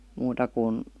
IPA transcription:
muːtɑ kun

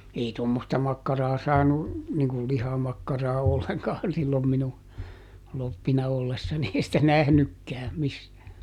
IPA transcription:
ei tomːostɑ mɑkːɑrɑː sɑːnu niŋkul lihɑmɑkːɑrɑː olːeŋkɑːn silːom minu lopːinɑ olːesːɑni ei sitæ næhnykːæː misːæː

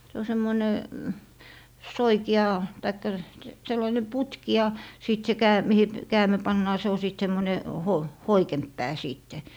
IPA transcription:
se o semːoĭne soikiɑ tɑikːɑ selːɑine putki jɑ siˑt se kæː mihi kæːmi̯ pɑnːɑː se o siˑt semːone ho hoikemp pæː siːtːe

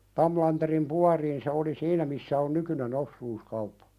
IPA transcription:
tɑmlɑnterim puɑriːn se oli siːnæ misːæ on nykynen osːuːskɑupːɑ̥

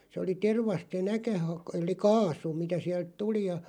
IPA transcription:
se oli terʋɑst se nækæ hɑk elˑi kɑːsu mitæ siælt tuli jɑ

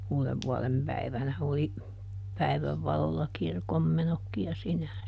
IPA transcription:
uːleʋːuɔlempæiʋænæ oli pæi̯ʋæʋ ʋɑlolːɑ kirkomːenokːij̆ jɑ sinːehæn

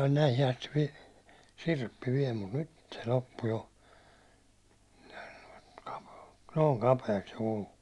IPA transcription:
on næihi ɑsti ʋi sirpːi ʋiɛl mut nyt se lopːu jo n̥æ̥i̥n̥ kɑ̥pe̥ː noːŋ kɑpeːks se kulu

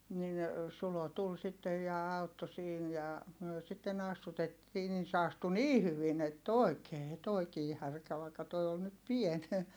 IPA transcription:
nin sulo tul sitːej jɑ ɑutːo siːn jɑ myø sitːen ɑstutetːiː nin se ɑstu niː hyʋin etː oˑi̯keː toˑi̯kiː hærkæ ʋɑikːɑ toi on nyt pien

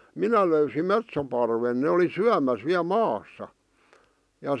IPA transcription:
minæ løysim metsopɑrʋen ne oli syæmæs ʋiæ mɑːsːɑ jɑ

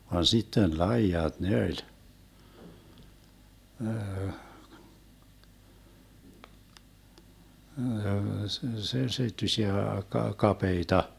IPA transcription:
ʋɑn sitːen lɑijɑt ne olʲ se seitːysiæ kɑ kɑpeitɑ

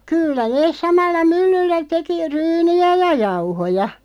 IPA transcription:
kylːæ neːs̆ sɑmɑlːɑ mylːylːæ teki ryːniæ jɑ jɑuhojɑ

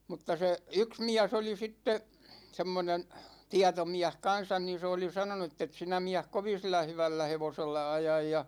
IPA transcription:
mutːɑ se yks miæs oli sitːe semːonen tiɑtomiæh kɑn̞sɑn ni se oli sɑnonu etːet sinæ miæh koʋin̞ silːæ hyʋælːæ heʋoselːɑ ɑjɑj jɑ

